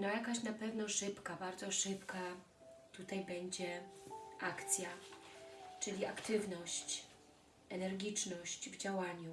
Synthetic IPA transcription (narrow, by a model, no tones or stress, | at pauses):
nɔjakaɕnapɛvnɔʂɘpkabaɾd̪zɔʂɘpka | t̪ut̪ajbɛɲd͡ʑɛ | akt̪sʲja | t͡ʂɘlʲiakt̪ɘvnɔɕt͡ɕ | ɛnɛɾɡʲit͡ʂnɔɕt͡ɕvd͡ʑawaɲu